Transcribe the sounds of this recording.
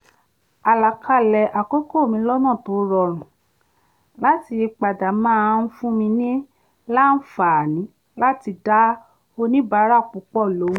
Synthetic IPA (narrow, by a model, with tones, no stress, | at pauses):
a˧la˨kʰa˦˨lɛ˨ʔa˨ko˦ko˦˨mĩ˧lɔ˦nãː˦˨to˨˦ɾɔ˧˨ɾ̃ũ˨ | la˦ti˧k͡pa˨da˨mãː˦˧n̩˦fũ˦mĩ˧nĩ˦ | la˦n̩˦fa˨nĩ˨˦ | la˦ti˧da˦ | o˧nĩ˦ba˧˦ɾa˦˨k͡pu˨˧˦k͡pɔ˦˨lo˨˦ũ˦